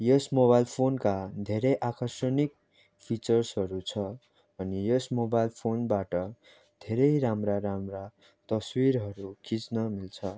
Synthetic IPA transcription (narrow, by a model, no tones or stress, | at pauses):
jʌsmobajlpʰonkad̪ʱeɾʌjʔakʌrsʌnik̚ | pʰit͡sʌrsʌɾut͡sʰʌ | ʌnijʌsmobajlpʰonbaʈʌ | d̪ʱeɾʌjɾamraɾamra | t̪ʌswiɾɦʌɾukʰit͡snʌmilt͡sʰʌ